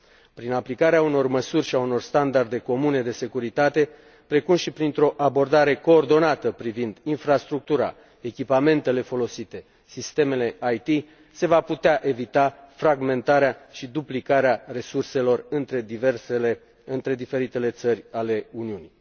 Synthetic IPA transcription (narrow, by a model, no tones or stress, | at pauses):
pɾinaplikaɾeauno̞rməsurʲʃiauno̞rst̪and̪ard̪e̞ko̞mune̞d̪e̞se̞kuɾit̪at̪e̞ | pɾe̞kumʃipɾint̪ɾo̞ʔabo̞rd̪aɾe̞ko̞ːrd̪o̞nat̪əpɾivind̪infɾast̪ɾuk̚t̪uɾa̰ | e̞kʲipame̞nt̪e̞le̞fo̞lo̞sit̪e̞ | sist̪e̞me̞le̞ʔajt̪i | se̞vaput̪eaʔe̞vit̪afɾaɡme̞nt̪aɾeaʃid̪uplikaɾeare̞surse̞lo̞rɨnt̪ɾe̞d̪iversl | ɨnt̪ɾe̞d̪ife̞ɾit̪e̞le̞t̪sərʲale̞uniuni